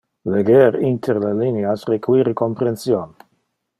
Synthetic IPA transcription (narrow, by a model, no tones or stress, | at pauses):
leɡeɾint̪ʰeɾlalineasrekwiɾekompɾensjon